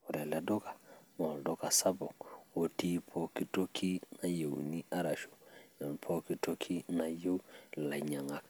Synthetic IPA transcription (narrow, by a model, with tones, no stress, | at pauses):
o˨ɾɛ˨lɛ˨do˦ka˨mo˨ldo˦ka˨sa˦bɔ˨o˨ti˦pʰo˦ki˦to˦kʰi˦na˦je˨w̰ni˦ʔa˦ɾa˨ʃo̥˨ja˨npʰo˦ki˦to˦kʰi˦na˨je˦wla˨ɲa˨ŋa˨k